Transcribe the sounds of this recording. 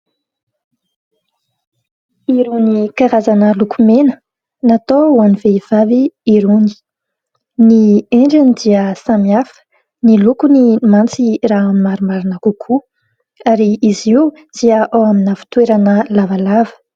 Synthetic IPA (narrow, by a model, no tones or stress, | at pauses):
iɾunikaɾazanəlukumenə | nat̪ouaniveiv̥aviːɾuni̥ | nieɳɖ͡ʐinid̪iəsamiafə̥ | nilukunimant͡siraaminimaɾumaɾinəkukʰu | aɾiizi | d̪̥iəʔawaminəfi̥t̪weɾanəlavalavə̥